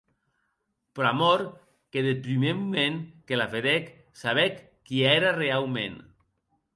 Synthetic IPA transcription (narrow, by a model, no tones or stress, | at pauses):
pɾamɔɾ | keðepɾimemumẽŋkelafeðek | saβɛkː | ieɾarealmḛn